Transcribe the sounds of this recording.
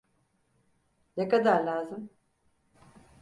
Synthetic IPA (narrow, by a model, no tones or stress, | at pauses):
nekad̪aɾlʲaːzɯm